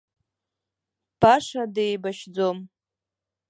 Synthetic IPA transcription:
b̥aʂadejbaʃd͡zom

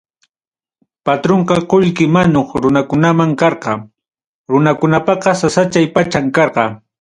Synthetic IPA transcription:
pat̪ɾoɴqɑqoʎkɪmanoχɾʊnakʊnamaŋkɑɾqɑ | ɾʊnakʊnapɑqɑsasat͡ʃajpat͡ʃaŋkɑɾqɑ

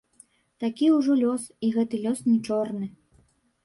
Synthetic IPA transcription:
t̪akʲiuʐɔlʲɔsiɣɛt̪ɨlʲɔsnʲɛt͡ʂɔrnɨ

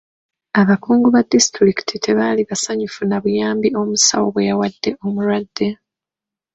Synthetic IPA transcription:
aβakuːŋɡuβadistɾiki̥tʰitʰe̞βaliβasaɲufunaβujaːmbio̞musa̰wo̞βwejawadːe̞o̞muɾwadːe̞

